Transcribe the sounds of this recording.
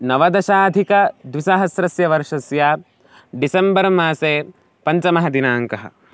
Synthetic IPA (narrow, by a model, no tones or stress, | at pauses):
nɐʋɐd̪ɐʃaːd̪ʱikɐd̪wiʃaɦɐsɾɐsjɐʋɐɾʂɐsjaː | ɖisɐmbɐɾɐmaːseː | pɐɲt͡ʃɐmɐɦɐd̪inaːŋkɐɦɐ̰